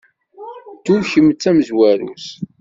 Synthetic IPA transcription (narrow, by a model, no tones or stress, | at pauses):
d̪uɾçəmət͡sːæməzwæɾṵs